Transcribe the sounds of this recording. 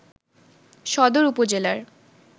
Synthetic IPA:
ʃɔd̪oɾupod͡ʑelaɾ

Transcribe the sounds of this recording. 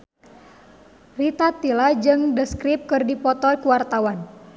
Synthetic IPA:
rit̪at̪ːilad͡ʒɨŋdəskɾip̚kɨrdipɔt̪ɔkuwart̪awan

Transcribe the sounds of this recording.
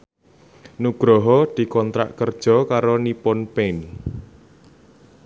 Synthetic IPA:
nuɡ̥ɾɔɦɔd̪̥i̤kɔnt̪ɾa̰ʔkərd̥ʒ̥ɔ̤kaɾonipɔnpen

